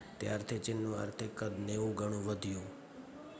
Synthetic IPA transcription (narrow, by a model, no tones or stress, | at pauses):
t̪jaɾt̪ʰit͡ʃɪnːũa̰ɾt̪ʰekəd̪neʋũɡʱəɽ̃ũʋəd̪ʱijũ